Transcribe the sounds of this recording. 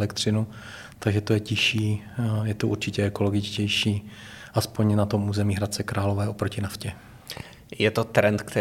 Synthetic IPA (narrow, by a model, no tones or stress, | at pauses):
ɛkt̪rɪnu | t̪aɡʒɛt̪ojɛcɪʃiː | jɛt̪ouɾt͡ʃɪcɛɛko̞lo̞ɡɪt͡ʃcɛjʃiː | ʔaspo̞ɲnat̪o̞muːzɛmiːɦɾat̪̚t͡sɛkɾʔaːlovɛːo̞pɾocɪnafcɛ | jɛt̪ot̪ɾɛnt̪kt̪ɛ